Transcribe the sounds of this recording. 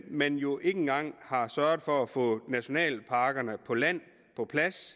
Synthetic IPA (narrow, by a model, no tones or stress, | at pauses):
menjo̝ʔe̝ŋŋ̩ɡ̥ɑ̈ŋ̰hɑ̈sɶɐð̩ˠfɒ̽æfɔ̰̽ːnæɕo̝nɛ̰ːlpʰɑ̈ːɡ̥ɐnəpʰɒ̽læn̰ | pʰɒ̽pʰlæs